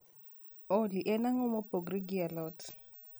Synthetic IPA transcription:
oliʔɛnaŋomɔboɡɾiɡialɔt

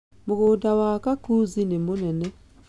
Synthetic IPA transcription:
moɣoːdawakakuzinemonɛnɛ

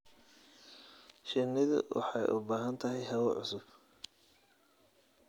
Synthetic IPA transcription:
ʃɪnːɪðʊ̰wʔɑ̰ħɑjʔʊbaːɦɐnt̪ʰɐɦɛjɦɐwɔʕʊsʊb̥

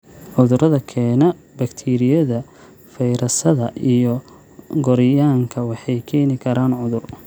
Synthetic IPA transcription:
ʕʊðʊɾɐðɐkʰɛːnɐ | bɐkt̪ʰiːɾɪjɐðɐ | fɛjɾɐsɐðɐʔijɔ | ɡɔɾɪjaːŋkʰɐwɑħɑjkʰɛːnɪkʰɐɾaːnʕʊðʊr

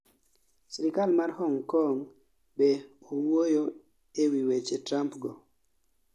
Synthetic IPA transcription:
sɛɾikalmarhɔŋkɔŋ | beowojo | ewiwet͡ʃetɾampɡɔ

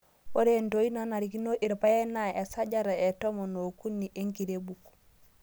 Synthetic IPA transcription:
oɾentoinanaɾikinoʔiɾpajenaesaɟaɾaetomonokunːiʔeŋkiɾebuk

